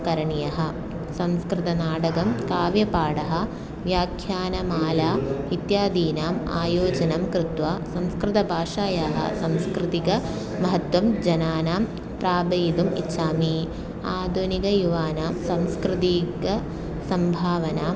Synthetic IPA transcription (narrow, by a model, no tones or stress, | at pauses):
kɐɾɐɳijɐɦɐ̆ | sɐ̃mskɾɪt̪ɐnaːɖɐɡɐmkaːʋjɐpaːɽɐɦɐ̆ | ʋjaːkʰjaːnɐmaːlaːit̪jaːd̪iːnaːma̰ːjoːd͡ʒɐnɐmkɾɪt̪ʋaːsɐmskɾɪt̪ɐbʱaːʂaːjaːɦɐ̰sɐmskɾɪt̪ikɐ | mɐɦɐt̪wɐmd͡ʒɐnaːnaːm | pɾaːbɐjd̪umḭtːʃaːmi | aːd̪ʱuniɡɐjuʋaːnaːmsɐmskɾɪt̪iɡɐ | sɐmbʱaːʋɐnaːm